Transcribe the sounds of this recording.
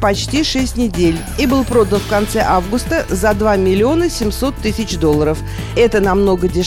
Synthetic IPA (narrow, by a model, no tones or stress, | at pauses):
pɐt͡ɕtʲiʂɛsʲtʲnʲɪdʲelʲ | ibɨlˠpɾo̞d̪ənfkɐnt̪sɛʔavɡʊst̪əzɐd̪vamʲɪlʲɪo̞nəsʲɪmso̞t̪ːɨsʲɪt͡ɕd̪o̞lːˠəɾəf | ɛt̪ənɐmno̞ɡədʲɪ